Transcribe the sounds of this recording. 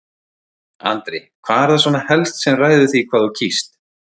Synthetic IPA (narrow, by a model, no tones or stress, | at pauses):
a̰nt̪ɾejkʰvaːðɛɾθasvɔnahɛlst̪sɛmraːjðʏθikʰvaːðucʰist̪